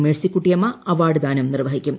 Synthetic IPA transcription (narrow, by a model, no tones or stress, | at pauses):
meɭsikːuʈːijɐmɐɐʋaːɽɨd̪aːnɐmnirʋɐɦikʲːum